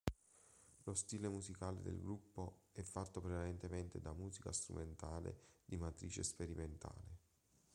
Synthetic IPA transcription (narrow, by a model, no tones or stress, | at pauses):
lost̪iːlemuzikaːlḛd̪ḛlɡɾupːoɛfːat̪ːopɾevalent̪ement̪ed̪amuːzika̰st̪ɾṵment̪aːlḛd̪imat̪ɾiːt͡ʃḛspeɾiment̪ʰa̰ːle